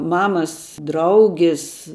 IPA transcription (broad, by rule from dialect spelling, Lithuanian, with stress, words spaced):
ˈmɑːmɐs ˈdrɐʊɡʲɪs